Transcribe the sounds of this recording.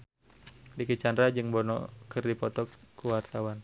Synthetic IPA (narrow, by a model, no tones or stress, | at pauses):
dikit͡ʃandɾad͡ʒɨŋbɔnɔ̰kɨrdipɔt̪ɔkuwart̪awan